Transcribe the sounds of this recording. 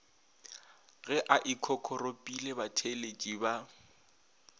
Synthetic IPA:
ɣɛʔaʔikʰɔkʰɔropʼilebatʰelet͡ʃʼiba

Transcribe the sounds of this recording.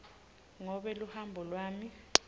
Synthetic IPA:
ŋɔɓɛluhambʱɔlwaːmi

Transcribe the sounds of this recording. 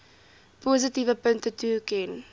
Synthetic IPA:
pozitivəpəŋktətukɛn

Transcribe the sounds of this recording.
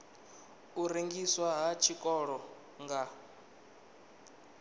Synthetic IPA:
uɾeŋɡiswaɦat͡ʃʰikʼɔɺɔ | ŋɡa

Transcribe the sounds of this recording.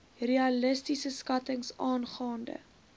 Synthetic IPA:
reɐləstisəskɐtəŋsɑːnχɑːndə̰

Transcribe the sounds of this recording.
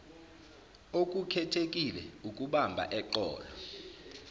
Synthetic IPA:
ok̬ʼukʰɛtʰekʼilɛukʼuɓambʱa̰ʔɛǃɔ̰ːlɔ

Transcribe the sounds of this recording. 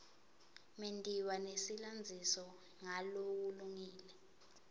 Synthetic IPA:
mendʼʱiwanesiland͡zʱisɔ | ŋalowuluŋiːlɛ

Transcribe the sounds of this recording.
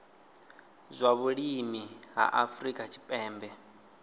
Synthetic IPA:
zʷaβuɺimiɦa̰ʔafɾikʼat͡ʃʰi̥pʼɛːmbɛ

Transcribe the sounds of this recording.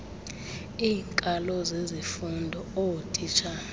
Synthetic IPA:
iːŋkʼalɔzezifundʱɔotʼit͡ʃʰa

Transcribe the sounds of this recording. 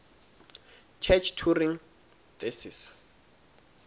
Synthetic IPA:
t͡ʃʰɛt͡ʃʰtʰuriŋ | tʼesis

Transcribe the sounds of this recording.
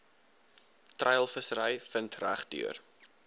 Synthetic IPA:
trʔəjəlˠfəsəɾəjfəntræχdy̰ər

